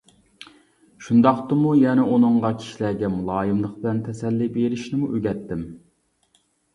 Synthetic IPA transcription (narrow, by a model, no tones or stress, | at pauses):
ʃund̪ɑχt̪ɨmujɛnɛonɨŋʁɑkʲʰi̥ʃilɛɡʲɛmulˠɑːjɨmlˠəq̚bɪlɛnt̪ʰɛsɛlːibeɾɪʃnɪmuʔøɡʲɛt̪ːɪm